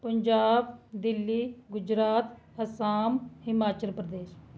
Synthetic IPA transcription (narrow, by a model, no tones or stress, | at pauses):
pəɲd͡ʒaːbd̪ɪlːiːɡʊd͡ʒɾaːt̪ | əsaːmhɪmaːt͡ʃəlpɾəd̪eːʃ